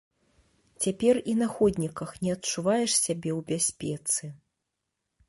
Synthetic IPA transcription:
t͡sʲapʲɛrinaxɔd̪ʲnʲikɐxnʲɛɐtt͡ʂuvajɛʂsʲabʲɛwbʲasʲpʲɛt̪sɨ

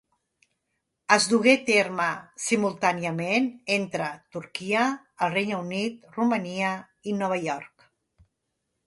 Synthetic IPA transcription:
əzd̪uɣet̪eɾməsimulˠt̪aniəmenent̪ɾət̪uɾkiə | əlˠrejnəunit̪̚ruməniə | inɔβ̞əjɔɾk

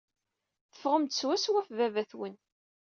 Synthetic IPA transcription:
θə̥fʁəmt̪swæswæfvævæθwən

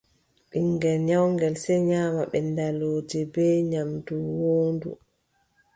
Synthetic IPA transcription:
ɓiŋɡɛlɲawŋɡɛlsɛɲaːmaɓɛndaloːd͡ʒɛbɛːɲamduwoːndṵ

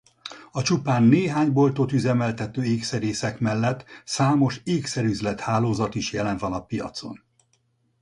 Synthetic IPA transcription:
ɒt͡ʃupaːnːeːɦaːɲbo̞lt̪ot̪yzɛmɛlt̪ɛt̪øːeːksɛɾeːsɛkmɛlːɛt̪ːsaːmo̞ʃeːksɛɾyzlɛt̪haːloːzɒt̪iʃjɛlɛɱvɒnɒpijɒ̰t̪so̞̰n

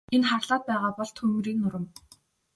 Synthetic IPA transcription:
enχarɮaːt̪̚pæːʁaːpɔɮt̪χɵmuɾiːknʊɾə̆m

